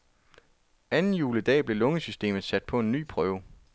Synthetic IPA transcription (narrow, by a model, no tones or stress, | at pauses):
ænn̩juːləd̥ɛ̰ːb̥le̝lɔ̽ŋəsysd̥e̝̰ːmð̩ˠsæd̥̚pʰɒ̽e̝nːy̰ːpʰʁœːʊ